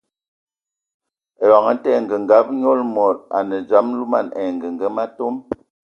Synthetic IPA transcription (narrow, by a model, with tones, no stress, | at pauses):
e˨wa˨ŋə˦tɛ˦˨ŋ˨ɡə˨ŋɡa˦p̚ɲɔ˦lmɔ˨ɾa̰˨nə˨d͡ʒa˨˦m˦lu˦ma˦˨nɛ˨ŋɡə˨ŋɡə˦ma˦to˦m